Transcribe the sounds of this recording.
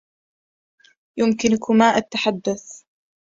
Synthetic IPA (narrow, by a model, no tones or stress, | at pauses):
jʊmkɪnʊkʊmaːʔat̪ːaħad̪ːʊθ